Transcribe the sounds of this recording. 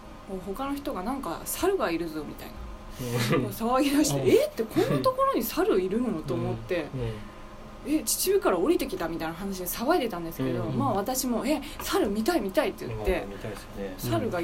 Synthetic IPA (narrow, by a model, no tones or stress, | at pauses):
koɦo̞kano̞çi̥t̪o̞ɡanãŋkasaɾɯ̟ɡaiɾɯ̟zo̞mʲit̪a̰ḭna̰ | mosaβaɡʲid̪aɕi̥t̪eet̪ːe̞kʰõ̞nːat̪o̞ko̞ɾo̞ɲ̟isaɾɯ̟iɾɯ̟noot̪o̞ːmo̞t̪ːe̞ | et͡ɕi̥t͡ɕɨːkaɾao̞ɾʲit̪e̞kʲi̥t̪amʲit̪ainaɦanaɕid̪e̞saβait̪e̞t̪ãnd̪e̞sɨ̥ke̞d̪o̞maːβat̪aɕimo̞e̞saɾɯ̟mʲit̪aimʲit̪ait̪ːe̞j̰t̪ːe̞ | saɾɯ̟ɡa